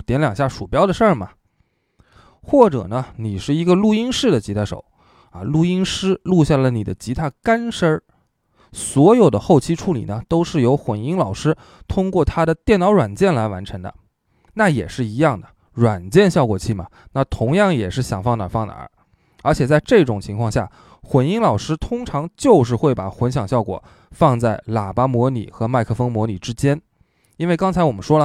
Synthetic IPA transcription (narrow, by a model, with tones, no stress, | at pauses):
t̪jɛ˧˥nljɑ˨˩ŋɕja˥˩ʂu˨˩pjɑ˥ʊd̪ə˨ʂə˞˥˩mɐ˩ | xwɔ˥˩ʈ͡ʂɤ̰˨˩nə˦ni˨˩ʂɻ̩˥˩i˧˥ɡə˧lu˥˩i˥ŋʂɻ̩˥˩d̪ə˩t͡ɕi˧˥t̪ʰa˥˩ʂo̰˨˩˦ʊ | ɐ˧lu˥˩i˥ŋʂɻ̩˥lu˥˧ɕja˥˩lə˩nḭ˨˩d̪ə̰˦t͡ɕi˧˥t̪ʰa˥˩ka˥nʂə˥ | swɔ˧˥jo˨˩ʊd̪ə̰˦xo˥˩ʊt͡ɕʰi˥ʈ͡ʂʰu˥˩lḭ˨˩nə˦t̪o˥ʊʂɻ̩˥˩jo˧˥ʊxwə˨˩ni˥ŋlɑ˨˩ʊʂɻ̩˥ | t̪ʰʊ˥ŋkwɔ˥˩t̪ʰa˥ɾə˨t̪jɛ˥˩nɑ˧˥ʊɻwa˨˩nt͡ɕjɛ˥˩nla˧˥ɪwa̰˧˥nʈ͡ʂʰɤ˧˥ŋd̪ə̰˧ | na˥˩jɛ̰˨˩ʂɻ̩˥˩i˧˥jɑ˥˩ŋd̪ə˩ | ɻwa˨˩nt͡ɕjɛ˥˧nɕjɑ˥˩ʊkwɔ˨˩t͡ɕʰi˥˩mɐ˩na˥˩t̪ʰʊ˧˥ŋjɑ˥˩ŋjɛ˨˩ʂɻ̩˥˩ɕjɑ˨˩ŋfɑ˥˧ŋna̰˨˩fɑ˥˩ŋna̰˧˥ | ə˞˧˥t͡ɕʰjɛ˨˩t͡sa˥˧ɪʈ͡ʂɤ˥˩˧ʈ͡ʂʊ˨˩ŋt͡ɕʰi˧˥ŋkʰwɑ˥˧ŋɕja˥˩ | xwə˨˩ni˥ŋlɑ˨˩ʊʂɻ̩˥t̪ʰʊ˥ŋʈ͡ʂʰɑ˧˥ŋt͡ɕjo˥˧ʊʂ̬ɻ̩˥˧xwe˥˩ɪpa̰˨˩xwə˧˥nɕ̬jɑ˨˩ŋɕjɑ˥˩ʊkwɔ̰˨˩ | fɑ˥˧ŋt͡sa˥˩ɪla̰˨˩pa˥mwɔ˧˥nḭ˨˩xɤ˧˥ma˥˧ɪkʰɤ˥˩fɤ˥ŋmwɔ˧˥ni˨˩ʈ͡ʂɻ̩˥t͡ɕjɛ˥n | i˥nwe˥˩ɪkɑ˥ŋt͡sʰa˧˥ɪwɔ˨˩mə˦nʂwɔ˥lə˨